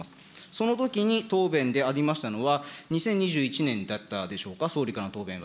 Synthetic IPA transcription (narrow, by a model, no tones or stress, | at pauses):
sɨ̥ | so̞no̞t̪o̞kʲiɲ̟it̪o̞ːbẽ̞nd̪e̞aɾʲimaɕi̥t̪ano̞βaɲ̟isẽ̞ɲ̟ːiʑɨːit͡ɕinẽ̞nd̪at̪ːad̪e̞ɕo̞ːkaso̞ːɾʲikaɾanot̪o̞ːbẽ̞β